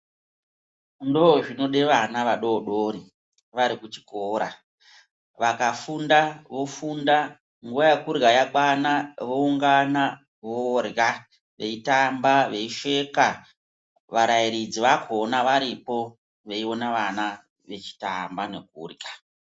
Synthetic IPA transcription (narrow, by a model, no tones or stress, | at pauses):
ndo̞ʐino̞ɗe̞ʋanaʋaɗo̞ɗoɾi | ʋaɾikut͡ʃi̥koːɾa̰ | ʋakafundaʋo̞funda | ŋɡuʋajekurɡajaɓwanaʋo̞uŋɡana | ʋoːrɡa | ʋe̞itambaʋe̞iʃe̞ka | ʋaɾaiɾid͡ziʋakʰonaʋaɾipo̞ | ʋe̞io̞naʋana | ʋe̞t͡ʃi̥ta̰mbane̞k̚ṵːrɡa